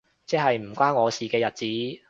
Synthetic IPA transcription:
t͡sɛː˥ɦɐ˨jm̩˨˩kʷaː˥nŋɔː˨˧siː˨kɛː˧jɐ˨t̚t͡siː˨˥

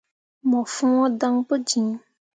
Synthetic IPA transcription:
mɔ̃˨fũ˦wɔ̃˦dã˦ŋpə˦d͡ʒĩ˨˦

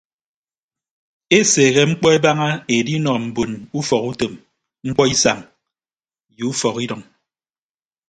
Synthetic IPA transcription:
e˦seː˨ɣe˦ŋ͡m̩˦k͡pɔ˦e˦ba˦ŋa˦e˨di˦nɔ˨m̩˨bo˨nu˦fɔ˨ku˦to˨m | ŋ͡m̩˦k͡pɔ˦i˦sa̰˨ŋ | ju˨u˦fɔ˨ki˦dɔ˨ŋ

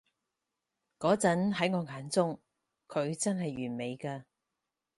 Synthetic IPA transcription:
kɔː˨˥t͡sɐ˨˥nɦɐ˨˥jŋɔː˨˧ŋaː˨˥nt͡sʊ˥ŋ | kʰɵ˨˧ɥt͡sɐ˥nɦɐ˨jɥyː˨˩nme˨˧jkaː˧

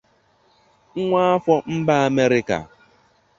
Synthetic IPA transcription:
ŋ̩˦ŋʷa˦a˦fɔ˦m̩˦ba˦a˨me˦ɾɪ˦ka̰˨

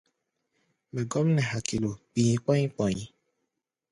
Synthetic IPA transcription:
mɛ˨ɡɔ˦m̩˦nɛ̃˨ɦa˨ki˨lo˨k͡pi˨ɲĩ˦k͡pɔ˦ɲĩ˦k͡pɔ˨ɲĩ˨˦

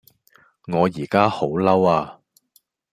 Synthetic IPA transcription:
ŋɔː˨˧jiː˨˩kaː˥ho˨˥wlɐ˥waː˧

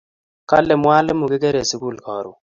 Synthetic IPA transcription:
ka̰˦lɛ˨mwa˦lɛ˦mu˨kɪ˦ke˦ɾe˨si˦ku˦lkɔ˨ɾṵ˨

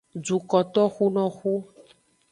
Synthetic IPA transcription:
d͡ʒu˨kɔ˨t̪ɔ˦xu˦nɔ̃˦xu˦

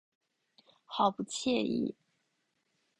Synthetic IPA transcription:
xɑ˨˩ʊpu˧˥t͡ɕʰjɛ˥˧ḭ˥˩

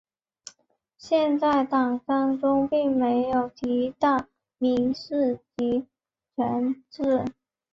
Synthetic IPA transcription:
ɕjɛ˥˧nt͡sa˥˩ɪt̪ɑ˨˩ŋsɑ˥ŋʈ͡ʂʊ˥ŋpi˥˩ŋme˧˥ɪjo˨˩ʊt̪ʰi˧˥t̪ɑ˥˩ʊ | mi˧˥ŋʂɻ̩˥˩t͡ɕi˧˥ | t͡ɕʰɛ˧˥nt͡s̩˥˩

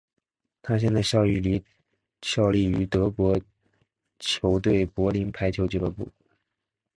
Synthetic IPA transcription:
t̪ʰa˥ɕ̬jɛ˥˧nt͡sa˥˧ɪɕjɑ˥˧ʊy˥˩li˧˥ | ɕjɑ˥˧ʊli˥˩y˧˥t̪ɤ˧˥kwɔ˧˥ | t͡ɕʰjo˧˥ʊt̪̬we˥˩ɪpwɔ˧˥li˧˥npʰa˧˥ɪt͡ɕʰjo˧˥ʊt͡ɕɛ˧˥˩ə˧˥pṵ˥˩

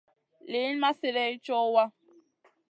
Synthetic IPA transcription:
le˨˦n˦ma˦sɪ˨ɾɛ˦t͡ʃɔ˦wa˦

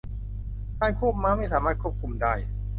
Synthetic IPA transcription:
kʰaː˥˩nkʰu˥˩p̚maː˦˥ma˥˩jsaː˩˦maː˥˩t̪̚kʰu˥˩p̚kʰu˧mdaː˥˩j

